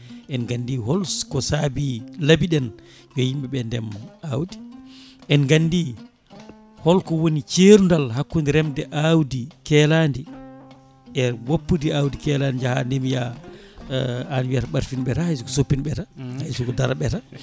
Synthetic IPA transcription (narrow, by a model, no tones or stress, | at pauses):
ʔɛnɡandiɦɔlskɔsabilabiɗɛn | jɔhimɓɛɓɛndɛmːɔawdiʔɛnɡandi | hɔlkɔwonit͡ʃeɾundalɦakːundiɾɛmdɛʔawdikɛlandi | ɛwapːudiawdikɛlandid͡ʒaha̰ndemija | anibiataɓaɾfinɓɛtahajs̬ukɔsopːinɓɛtahajsukɔdaɾaɓɛta